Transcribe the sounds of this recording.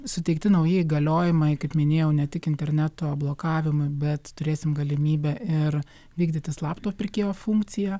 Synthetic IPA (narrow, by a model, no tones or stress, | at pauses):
sʊt̪ʲɛɪkt̪ʲɪnɐʊjɪiːɡɐlʲoːjɪmɐɪkɐɪpmʲɪnʲeːjɛʊnʲɛt̪ʲɪkɪnʲt̪ʲɛɾʲnʲæt̪oːblˠoːkɑːʋʲɪmʊɪbʲɛt̪t̪ʊɾʲeːsʲɪmɡɐlʲɪmʲiːbʲɛʔɪɾ | ʋʲiːɡd̪ʲɪt̪ʲɪslˠɑːpt̪oːpʲɪɾʲkʲeːjoːfuŋk̪t͡s̪ʲɪjɛ